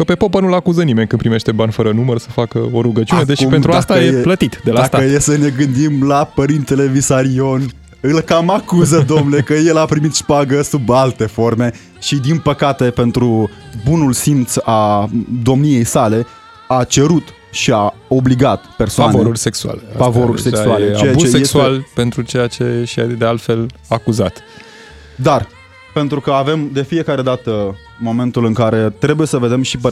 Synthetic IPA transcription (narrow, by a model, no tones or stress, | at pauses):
kəpe̞popənulakuzənime̞nʲkɨnpɾime̞ʃt̪e̞banfəɾənumərsəfakəo̞ɾuɡət͡ʃiuned̪eʃipent̪ɾuast̪aeeplət̪it̪d̪elat̪əjesəne̞ɡɨnd̪imlapəɾint̪e̞le̞visaɾio̞n | ɨlkamakuzəd̪omnekəje̞lapɾimit̪ʃpaɡəsubalt̪e̞fo̞rme̞ | ʃid̪inpəkat̪e̞pe̞nt̪ɾubunulsimt̪sad̪o̞mnije̞jsale̞ | at͡ʃe̞ɾut̪ | ʃiao̞bliɡat̪pe̞rsoanevoɾurʲseksua̰lefavoɾuɾʲseksualet͡ʃeusesualpe̞nt̪ɾut͡ʃejat͡ʃeʃia̰d̪ealt̪fe̞lakuzat̪ | d̪ar | pe̞nt̪ɾukəave̞md̪e̞fie̞kaɾe̞d̪at̪ə | mo̞me̞nt̪ulɨŋkaɾe̞t̪ɾe̞buje̞səve̞d̪e̞mʃipə